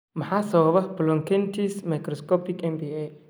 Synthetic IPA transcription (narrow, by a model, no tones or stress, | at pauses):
mɐħaːsɐβɐβɐb̥lɔŋkʰɛnt̪ʰiːsmɐjkɾɔskɔːpɪkɛmbiɛ